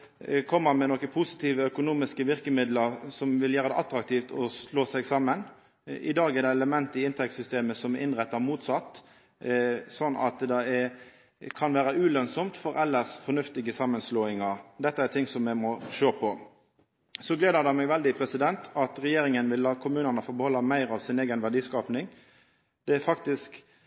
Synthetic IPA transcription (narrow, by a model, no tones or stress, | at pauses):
kʰɔmːəmɛnɔkːəpʰʊsɪ̥t̪ʰiːʋəœkʊnuːmɪskəʋɪʁkəmɪd̪ləʁsɔmʋɪljæːɾəd̪ɛ̰ʔɑt̪ɾɑk̚t̪ʰiːft̪ɔsloːsɛɡsɑmːən | ʔɪd̪ɑːɡɛd̪ɛɛləmɛnt̪ɪɪnt̪ʰɛk̚t̪sʏst̪eːməsɔmɛʔɪnʁɛt̪ːɑʁmuːt̪sɑt̪ː | sɔnːɑ̰t̪d̪ɛɛ | kʰɑnʋæːɾəʉːlœnsɔmt̪fɔɾɛlːəsfɔnʉft̪ɪɡəsɑmːənsloːɪŋɑʁd̪ɛt̪ːəæʁt̪ʰɪŋsɔmːɛmɔʃøːpʰɔ | sɔɡleːd̪əɾd̪ɛmɛɡʋɛld̪ɪpʰɾɛsɪd̪ɛnt̪ɑt̪ʁɛjeːɾɪŋənʋɪlːɑːkʰʊmʉːnənəfoːbəhɔlːɑmæɪɾɑʋsɪneːɡənʋæʁd̪iːskɑːpnɪŋ | d̪̥ɛæfɑkt̪ɪsk